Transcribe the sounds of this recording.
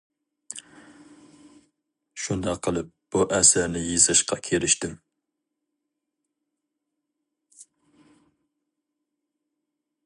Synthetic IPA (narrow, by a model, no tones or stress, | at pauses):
ʃund̪ɑqʰːəlˠɨp̚b̥uʔæsæɾnɪjizɨʃqʰɑkʲʰeɾɪʃt̪ɪm